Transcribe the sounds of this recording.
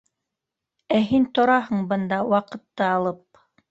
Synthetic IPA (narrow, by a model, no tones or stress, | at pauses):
æɦint̪ŏɾɑɦɤɴbɤ̆nd̪ɑwɑqɤ̆t̪ːɤɑlˠɤp̚